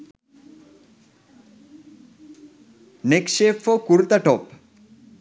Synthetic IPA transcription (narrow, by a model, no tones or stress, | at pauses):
neksepfɔkuɾt̪aʈɔp